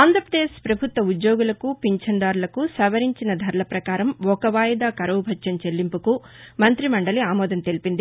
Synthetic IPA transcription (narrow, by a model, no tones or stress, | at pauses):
aːnd̪ʱɾɐpɾɐd̪eːʃpɾɐbʱut̪ʋɐud̪joːɡulɐkupiɲt͡ʃʰɐɳɖaːɾlɐkusɐʋɐɾiɲt͡ʃinɐd̪ʱɐɾlɐpɾɐkaːɾɐmɔkɐʋaːjɐd̪aːkɐɾɐwbʱɐt͡ʃʃɐmt͡ʃe̞lːimpuku | mɐnt̪ɾimɐɳɖɐliaːmɔːd̪ɐnt̪e̞lipind̪i